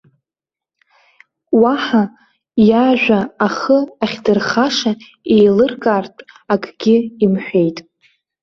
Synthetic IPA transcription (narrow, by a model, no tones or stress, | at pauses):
waħa | jaʒᶣʷaːχəaχʲdɨrχaʂa | ejlɨrkʼartʼ | akʼɡʲɪimħʷᶣe̞jtʼ